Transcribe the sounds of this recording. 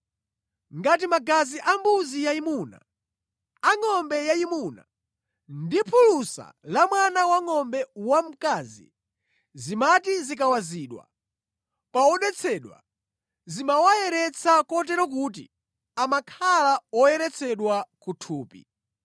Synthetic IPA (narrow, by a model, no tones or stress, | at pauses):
ŋɡat̬imaɡaziʔambuzijaimuna̰ | aŋɔmbɛjaimuna̰ | ndipʰulusa̰lamwanawaŋɔmbɛwam̩kazḭ | zimatizik̬awaziːɗwa̰ | paɔɗɛt͡sʰɛɗwa̰ | zimawajɛɾɛt͡sʰakɔt̬ɛɾɔk̬ut̬ḭ | amakʰalaɔjɛɾɛt͡sʰɛɗwakutʰuːpḭ